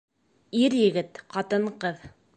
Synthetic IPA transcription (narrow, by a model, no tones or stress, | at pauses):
iɾjɘ̆ɡɘt̪qɑt̪ɤɴqɤð